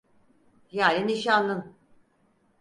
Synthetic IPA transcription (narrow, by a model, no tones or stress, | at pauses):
jaːlʲiniʃanlˠɯn